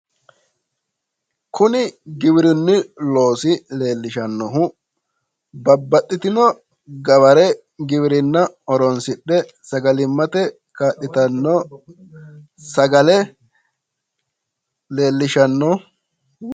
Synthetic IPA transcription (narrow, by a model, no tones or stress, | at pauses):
kʰʊnɪɡɪbɪɾɪnːɪlo̞ːsɪle̞ːlːɪʃɐnːɔɦʊ | bɐbːɐtːɪt̪ɪnɔ | ɡɐβɐɾɛ | ɡɪβɪɾɪnːɐɔɾɔnsɪɗːɛ | sɐɡɐlɪmːɐt̪ɛ | kaːɗːɪt̪ɐnːɔ | sɐɡɐlɛ | le̞ːlːɪʃɐnːɔ